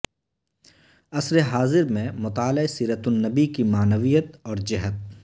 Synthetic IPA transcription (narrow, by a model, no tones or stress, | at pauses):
ɐsɾeɦaːzɪɾmẽmʊt̪aːlaesiːɾət̪ʊnːɐbikimaːnəʋijət̪ɔːɾd͡ʒɪɦət̪̚